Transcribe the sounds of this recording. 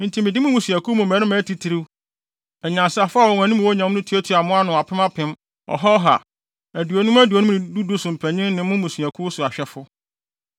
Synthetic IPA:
n̩˨tʰĩ˨mɪ̃˨dɪ˦mʊ̃˦mũ˨sũ˨æ˨kʰu˦mũ˨mæ̃˨˦nɪ̃˦mæ̃ː˨˦tʰi˦tʰi˨ɾi˦w | ɛ˨ɲã˨sa˨fʊ˦a˦wɔ˨ŋ˨æ̃˨nĩ˦m̃˨o˦ɲã˨˦m˦nʊ̃˦tʰi˦e˦tʰi˨˦a˨mʊ̃˦a˦nʊ̃˨a˨pʰɪ˦a˦pʰɪ̃˦m | ɔ̰˨ɦɔ˦ɦa̰˨ | æ˨du˨o˨nũ˦mæ˦du˨o˨nũ˦nɪ̃˨du˦du˦sʊ˨m̩˨pʰæ˨ɲɪ̃˦n˦nɪ̃˨˦mʊ̃˦mũ˨su˨æ˨kʰu˦sʊ˨a˨ɕᶣɛ˦fʊ˦

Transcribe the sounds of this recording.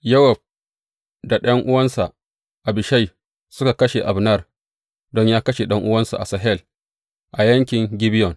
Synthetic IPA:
jɐ˦wɐ˨b̚ | da˨ɗɐ˦ŋʔʊ˦wɐ˦nsa˨ʔ | ʔa˨bɪ˨ʃa˦˨j | sʊ˦ka˨kɐ˦ʃe˨ʔa˨bnɐ˦˨r | dɔ˦ɲjaː˦kɐ˦ʃe˨ɗɐ˦ŋʔʊ˦wɐ˦nsa̰˨ʔa̰˨sɐ˨ɦɛ˦˨l | ʔa˨jɐ˦ŋkʲɪ˨ŋɡʲɪ˦bɪ˦jɔ˨n

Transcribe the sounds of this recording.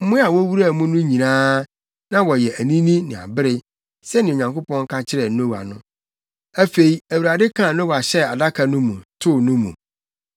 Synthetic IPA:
m̩˦mʊ̃˦a˨wɔ˦wu˦ɾa˦˨˦mũ˦nʊ̃˦ɲĩ˨nãː˦ | nã˦wɔ˨jɛ˨æ˨nĩ˦nĩ˦nɪ̃˨a̰˨bɪ˦ɾɪ˦ | sɛ˦nɪ̃˨o˨ɲã˨ŋko˦pɔ̃˦nŋ˦kʰã˦t͡ɕʰɪ˦ɾɛ˨˦nõ˦wa̰˨nʊ̃˦ | æ˦fe˨i˨˦æ˨wu˨ɾa˨dɪ˦kʰã˦˨nõ˦wa˨ɕɛ˦a˨da˦kʰa˨nʊ̃˦mũ˨tʰʊ˦nʊ̃˦mṵ̃˨

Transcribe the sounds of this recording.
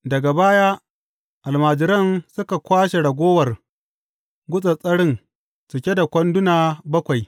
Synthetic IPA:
dɐ˨ɡa˨baː˦jaː˦ | ʔa˨lmaː˨d͡ʒɪ˨˦ɾɐ˦nsʊ˦ka˨kʷaː˦ʃe˨ɽɐ˨ɡʷoː˦wɐ˨r | ɡʷʊ˦sʼɐ˨sʼɐ˦ɽɪ˦ŋ | t͡ʃɪ˨kʲe˦da˨kʷɐ˦ndʊ˦naː˨bɐ˦kʷa˨j

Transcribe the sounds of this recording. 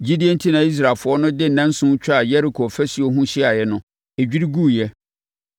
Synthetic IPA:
d͡ʑi˦di˦e˦n̩˦tʰĩ˦nã˨i˦s̬ɾa˨fʊ˨˦ɔ˦nʊ̃˦dɪ˦n̩˨nã˦n̩˦sʊ̃˦t͡ɕᶣa˨jɛ˦ɾi˨kʰɔ˨fɛ˦si˨o˦ɦũ˦ɕɪ˦a˨jɛ˦nʊ̃˦ | e˨d͡ʑᶣi˦ɾi˦ɡuː˦˨jɛ˦

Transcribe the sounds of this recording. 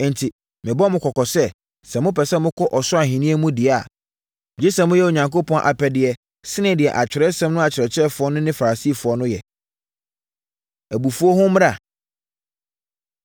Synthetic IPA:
n̩tʰi˨ | mɪ̃˨bɔ˦mʊ̃˨kʰɔ˨kɔ˨sɛ˦ | sɛ̃˨mʊ̃˦pʰɛ˨sɛ˦mʊ̃˦kʰɔ˦ʔɔ˨sʊ˦a˨ɦĩ˨nĩ˦e˦mũ˦dɪ˨a˦˨ | d͡ʑi˦sɛ̃˨mʊ̃˦jɛ˦o˨ɲã˨ŋko˦pʰɔ̃˦ʔa̰˨pʰɛ˨dɪ˨ɛ˨ | sɪ˦nɪ̃˦˨dɪ˨ɛ˨ʔa˨t͡ɕᶣɪ˨ɾɛ˦sɛ̃˦mnʊ̃˦a˨t͡ɕʰɪ˨ɾɛ˨t͡ɕʰɛ˦fʊ˨ɔ˦nʊ̃˦nɪ̃˦fa˨ɾa˨si˦˨fʊ˨ɔ˦nʊ̃˦jɛ˨ | æ˨bu˨fu˦o˦hʊ̃˦m˦ɾa˨

